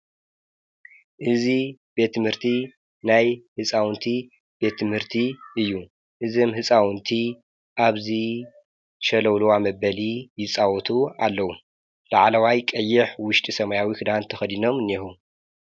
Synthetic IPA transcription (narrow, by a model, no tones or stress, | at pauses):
ʔɨzibe̞t̪ʰːɨmhɨɾt̪ʰi | najhɨt͡sʼawnt̪ʰi | b̥e̞t̪ʰːɨmhɨɾt̪ʰiʔɨjːu | ʔɨzomhɨt͡sʼawnt̪ʰi | ʔaβzi | ʃɐlɐwluwamɐbɐlijɪt͡sʼawɔt̪ʰualːɐwu | laʕalɐwajkʼɐjːɪħwʊʃt̪ʼisɐmajawikʰɨd̪ant̪ʰɐxɐd̪ino̞mɨnːexu